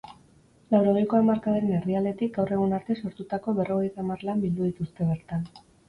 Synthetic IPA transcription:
lawɾo̞ɣ̞ejko̞amaɾkaðeɾenerðiale̞t̪ik̚ɡawre̞ɣ̞unaɾt̪e̞so̞ɾt̪ut̪ako̞βe̞ro̞ɣ̞e̞jt̪amarlambild̪uð̞it̪ust̪e̞β̞e̞ɾt̪an

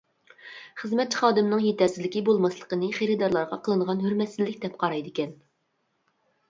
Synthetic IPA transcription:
χəzmɛt̪̚t͡ʃʰːi̥χɑːd̪ɨmnɨŋjet̪ʰɛɾsɪzlɪkʲibolˠmɑslˠəqənɨχeɾɪd̪ɑɾlˠɑɾʁɑqʰəlˠɨɴəʁɑnɦyɾmɛt̪sɪlːɪkʲd̪ɛp̚qʰɑɾɑjd̪ɨkʲɛn

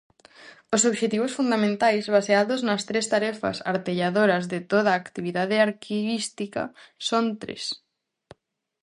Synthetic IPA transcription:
osoβʒet̪iβ̞osfund̪amẽnt̪ajzβaseaðoznast̪ɾest̪aɾefa̰sa̰ɾt̪eʎaðoɾazðet̪oð̞aːkt̪iβ̞iðað̞eaɾkʰiβist̪ika̰sont̪ɾḛs

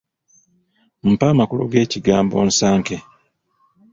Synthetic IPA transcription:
m̩paːmakulo̰ɡe̞ːciɡaːmbo̞̰ːnsaːŋke

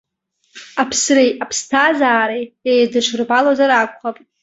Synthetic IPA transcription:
apʰsrejapʰstʰazaːɾejejdɨʂʷʰrbalazaɾakʷʼχapʼ

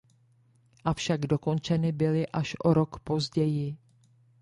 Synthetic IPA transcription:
ʔafʃaɡdo̞ko̞nt͡ʃɛnɪbɪlɪʔaʃʔo̞ɾo̞kpo̞zɟɛjɪ

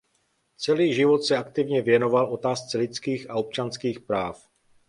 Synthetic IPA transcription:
t͡sɛliːʒɪvo̞t̪sɛakt̪ɪvɲɛvjɛno̞valo̞t̪aːst͡sɛlɪt͡skiːxaop̚t͡ʃanskiːxpɾaːf

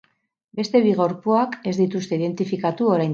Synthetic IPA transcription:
be̞st̪e̞βiɣo̞ɾpuake̞zd̪it̪ust̪e̞iðe̞nt̪ifikat̪uo̞ɾajn

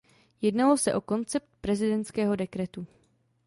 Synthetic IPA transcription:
jɛdnalosɛʔo̞ko̞nt͡sɛp̚t̪̚pɾɛzɪdɛnt̪skɛːɦo̞dɛkɾɛt̪u

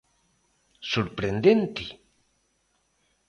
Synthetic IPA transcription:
suɾpɾend̪ent̪i

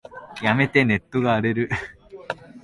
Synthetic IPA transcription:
jɐmet̪ːenet̪ːuɣaːɽeɾɯ

